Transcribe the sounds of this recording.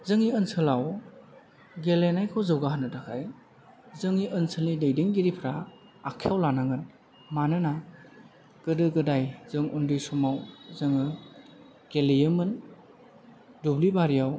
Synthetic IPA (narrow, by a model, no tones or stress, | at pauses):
zɯŋiɯnsʰɯlaw | ɡelenajkʰɔwzɯwɡaɦanɯtʰakʰaj | zɯŋiʔɯnsʰɯlnidejdiŋɡiɾipʰɾaː | kʰijawlanaŋɯn | manɯna | ɡ̥ɯdɯɡɯdajz̥ɯŋundɯsumawzɯŋɯ | ɡ̥elejɯmɯn | dublibaɾijaw